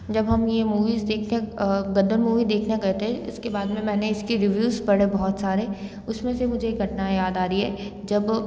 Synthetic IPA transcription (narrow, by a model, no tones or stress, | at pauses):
d͡ʒɐbɦɐmjemuːʋiːzd̪eːkʰneɡɐd̪əɾmuːʋid̪eːkʰnaɡɐɦt̪eɦɛ̃ɪskebaːd̪mẽmɛ̃ːneɪskiɾɪʋjuːzpɐɽ̤ebɔɦɔt̪saːɾe | ʊsmẽsemʊd͡ʒʱeɡʱɐʈnajaːd̪aːɾiɦɛ̰ːd͡ʒɐb